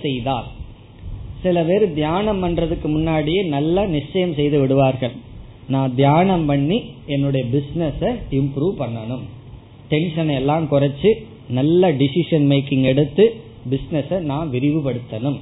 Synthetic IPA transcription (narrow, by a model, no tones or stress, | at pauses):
sɛjðaːl | sɪlɐpeːɾɯd̪jaːnɐmpɐndrɐðɯkːɯmʊnːaːɽɪjeːnɐlːɐnɪt͡ʃːɐjɐmsɛjðɯʋɪɽɯʋaːɾɣɐɭ | nãːd̪jaːnɐmpɐɳːiɛnːɯɽɐjɐbɪsnɛsɐɪmpɾuːʋpɐɳːɐnɯm | ʈɛnʂɐnɐɛlːaːmkʊrɐt͡ʃːɯ | nɐlːɐɖɪsɪʂɐnmeɪkːɪŋɡɛɽɯt̪ːɯ | bɪsnɛsɐnãːʋɪɾɪʋɯpɐɽɯt̪ːɐnɯm